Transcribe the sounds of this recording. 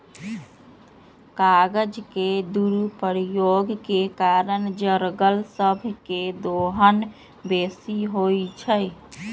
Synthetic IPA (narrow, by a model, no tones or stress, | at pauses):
kaɡəd͡ʒked̪uɾupəɾijoɡkekaɾənd͡ʒəɾɡəlsəbʱked̪oɦən | besiɦojt͡ʃʰəj